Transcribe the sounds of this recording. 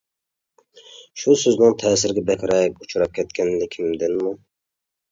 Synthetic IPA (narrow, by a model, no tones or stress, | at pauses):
ʃusøznɨŋt̪ʰɛːsɪɾɡʲɛbɛkʲʰɾɛkʲut͡ʃʰɾɑp̚kʲʰɛt̪kʲʰɛnlɪkʲʰimd̪ɪnmu